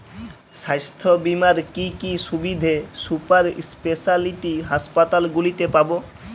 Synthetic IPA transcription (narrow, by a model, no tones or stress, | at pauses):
ʃajst̪ʰobimaɾkikiʃubid̪ʱesupaɾspesaliʈiɦaspat̪alɡulit̪epabo